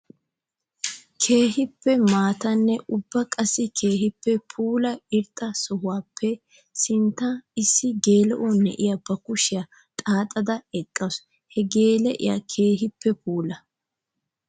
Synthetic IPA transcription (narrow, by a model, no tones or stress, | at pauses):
kʰe̞ːɦɪpːɛmaːt̪ɐnːɛʔʊbːɐkʼɐsːɪkʰeːɦɪpːɛpʰuːlɐɪɾt̪ʼːɐsɔhʊwaːpʰːɛ | sɪnt̪ːɐɪsːɪɡe̞ːlɛʔonːɛ̰ʔɪjɐbɐkʊʃɪjɐ | t̪ʼaːt̪ʼːɐd̪ɐɛkʼːɐs | hɛɡe̞ːlɛʔɪ̰ja̰kʰe̞ːɦɪpːɛpʰuːlɐ